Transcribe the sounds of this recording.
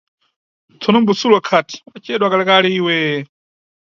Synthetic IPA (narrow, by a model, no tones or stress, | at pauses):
tʰɔnɔmbusulɔkʰati̥at͡ʃʰɛɗwakalakalɛiːwɛ